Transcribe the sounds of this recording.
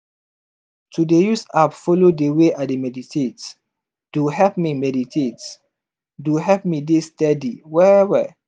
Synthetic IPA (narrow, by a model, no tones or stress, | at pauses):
tʰudejusapfɔlodeweʔademɛditʰet | d̥uɦɛp̚mimɛditʰet | duɦɛp̚midistɛdiwɛɛwɛ̰